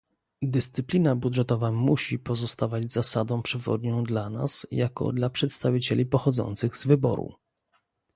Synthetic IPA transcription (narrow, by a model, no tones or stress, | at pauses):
d̪ɛst̪sɘplʲinabud̪ʐɛt̪ɔvamuɕipɔzɔst̪avad͡ʑzasad̪ɔ̃w̃pʂɘvɔ̰d̪ɲɔ̃w̃d̪lana̰sjakɔ̰d̪lapʂɛt̪st̪avʲit͡ɕɛ̰lʲipɔxɔd̪zɔ̰nt̪sɘɣzvɘbɔ̰ɾṵ